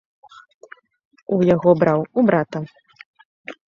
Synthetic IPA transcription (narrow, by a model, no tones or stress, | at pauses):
ujaɣɔbɾawubɾat̪ɐ